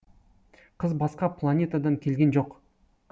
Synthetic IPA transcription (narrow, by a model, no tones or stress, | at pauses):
qʰəzbɑsqɑplˠanʲe̞t̪ad̪ɑŋkʲʰe̞lɡʲe̞nʒo̞q